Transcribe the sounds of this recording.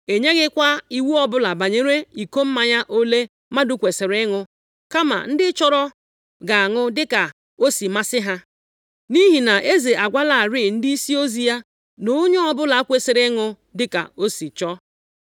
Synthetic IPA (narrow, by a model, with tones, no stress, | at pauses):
e˨ɲe˦ɣɪ˦kʷa˦i˦wu˦ɔ˦bʊ˦la˨ba˨ɲe˦ɾe˦i˨ko˦m̩˦ma˨ɲa˦ʔo˦le˦ | ma˦dʊ˦kʷe˨se˨ɾɪ˦ŋʊ˦ | ka˦ma̰˨n̩˦dɪ˦t͡ʃɔ˦ɾɔ˦ | ɡa˨a˨ŋʊ˦dɪ˦ka˨ | o˦si˨ma˦sɪ˦ɦa˦ | ni˦ɦi˨na˨ʔe˦ze˨ʔa˨ɡʷa˦la˨ɾi˦˨n̩˦di˦i˦si˦o˦zi˦ja˦ | no˦ɲ˦ɔ˦bʊ˦la˨a˦kʷe˨se˨ɾɪ˦ŋʊ˦ | dɪ˦ka̰˨o˦si˨t͡ʃɔ˦